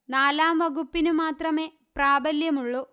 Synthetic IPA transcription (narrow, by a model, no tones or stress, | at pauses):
naːlaːmʋɐɡupːinumaːt̪rɐme̞ː | praːbɐljɐmuɭːo